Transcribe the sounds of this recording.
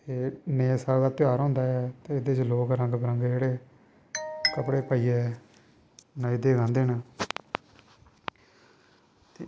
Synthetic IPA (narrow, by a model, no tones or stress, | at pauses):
t̪eːneːsaːld̪aːt̪ɪaːɾɦõːnd̪aːɛːt̪eːɪd̪eːt͡ʃloːkɾəŋɡbəɾəŋɡd͡ʒeːɽeː | kəpɽeːpaːiːɛː | naːid̪eːɡãːnd̪eːna | t̪eː